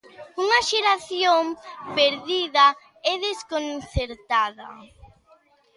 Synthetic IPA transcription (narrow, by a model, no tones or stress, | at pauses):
uŋɐʃeɾaθjompeɾðiðɐ | ɛðeskonθeɾt̪aðɐ̰